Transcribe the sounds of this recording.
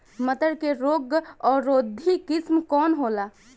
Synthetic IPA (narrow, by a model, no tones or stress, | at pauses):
mət̪əɾkeɾoːɡɔːɾoːd̪ʱːikɪsmkɔːnɦoːla